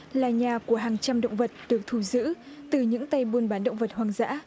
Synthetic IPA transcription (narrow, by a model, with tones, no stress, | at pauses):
laː˨˩ɲaː˨˩ku˧˩əɦaː˨˩ŋt͡ɕa˧mɗə̰˧˨wŋ͡mvə˨˩t̚ɗɨ˨˩ək̚t̪ʰu˧˩zɨ̰˧˥ | t̪ɨ˨˩ɲɨ̰˧˥ŋt̪a˧jɓu˧nɓaː˨˦nɗə̰˧˨wŋ͡mvə˨˩t̚hwaː˨˩ŋza̰ː˧˥